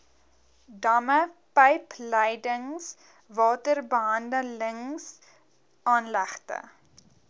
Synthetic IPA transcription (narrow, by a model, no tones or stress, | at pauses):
dɐməpəjpləjdəŋs | vɑːtərbəɦɐndələŋs | ʔɑːnlæχtə̰